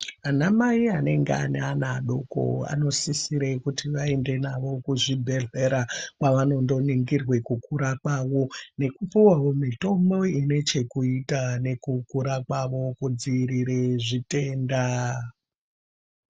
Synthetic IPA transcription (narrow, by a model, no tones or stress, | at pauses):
anamaiane̞ŋɡḛa̰neanaɗo̞ko̰a̰no̞sisiɾe̞kutiʋae̞nde̞naʋo̞kuʐibʱe̞ɮe̞ɾakwaʋano̞ndo̞niŋɡirwe̞kukuɾakwaːʋo̞ne̞kupuwawomito̞mbo̞ine̞t͡ʃe̞kuitane̞kukuɾakwaʋo̞kud͡ziɾiɾeʐite̞ːnda